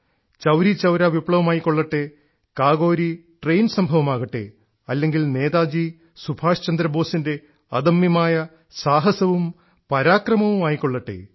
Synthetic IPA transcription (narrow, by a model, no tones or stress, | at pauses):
t͡ɕɐwɾit͡ɕɐwɾaʋipɭɐʋɐmaːjikːo̞ɭːɐʈːe | kaːɣo̞ːɾiʈrejnsɐmbʱɐʋɐmaːɣɐʈːḛ | ɐlːe̞ŋɡilne̞ːðaːd͡ʑi | subʰʱaːʂt͡ɕɐnd̪ɾɐbo̞ːsinde̞ | ɐd̪ɐmjɐmaːjɐ | saːɦɐsɐʋum | pɐɾaːkrɐmɐʋumaːjikːo̞ɭːɐʈːḛ